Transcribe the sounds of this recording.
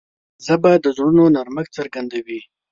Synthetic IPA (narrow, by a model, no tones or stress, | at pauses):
zabad̪əzɾunonaɾməkt͡səɾɡand̪awi